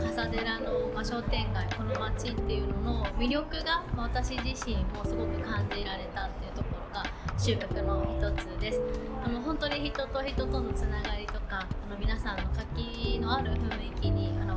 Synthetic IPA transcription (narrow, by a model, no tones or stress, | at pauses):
kasad̪e̞ɾano̞baɕo̞t̪ẽ̞ŋɡaiko̞no̞mat͡ɕit̪ːe̞jɯ̟no̞no̞mʲiɾʲo̞kɯ̟ɡamaβat̪aɕiʑiɕĩmmo̞sɨɡo̞kɯ̟kãɲ̟d͡ʑiɾaɾe̞t̪at̪ːe̞iɯ̟t̪o̞ko̞ɾo̞ɡaɕɨːkʲakɯ̟no̞çi̥t̪o̞t͡sɨd̪e̞sɨ̥ | ano̞ɦõ̞nt̪o̞ɲ̟içit̪o̞t̪o̞çit̪o̞t̪o̞no̞t͡sɨnaɡaɾʲit̪o̞kaːno̞mʲinasãnːo̞kakʲi | no̞aɾɯ̟ɸɯ̟̃ɰ̃ikʲiɲ̟iano